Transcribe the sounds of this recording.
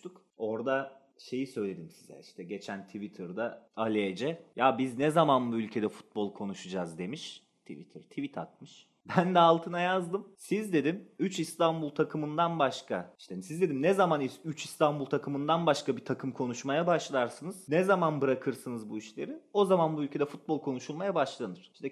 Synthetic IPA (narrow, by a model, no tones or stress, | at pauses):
t̪uk | o̞ɾd̪a | ʃe̞jisø̞jlʲe̞d̪imsi̥zɛ̰iʃt̪ʰɛɟe̞t͡ʃʰænt̪ʰivit̪ʰɯɾd̪aalʲeed͡ʒɛjabiznɛzamanbuylʲcʰe̞d̪ɛfu̥t̪̚bolˠkʰo̞nuʃud͡ʒazd̪e̞miʃ | t̪ʰivḭt̪ʰiɾt̪ʰivit̪ʰa̰t̪̚mɯʃ | bænd̪ɛalˠt̪ʰɯnajazd̪ɯmsizd̪e̞d̪imyt͡ʃist̪ʰanbulˠt̪ʰakʰɯmɯnd̪anbaʃkʰaiʃt̪esizd̪e̞d̪imnɛzamaniyt͡ʃʰist̪ʰanbulˠt̪ʰakʰɯmɯnd̪anbaʃkabit̪ʰakʰɯmkʰo̞nuʃmajabaʃlˠaɾsɯnɯz̥nɛzamanbɯɾakʰɯɾsɯnɯzbuiʃlʲe̞ɾio̞zamanbuylʲcʰe̞d̪ɛfut̪̚bolˠkʰo̞nuʃulˠmajabaʃlˠanɯɾ̥iʃt̪ʰɛ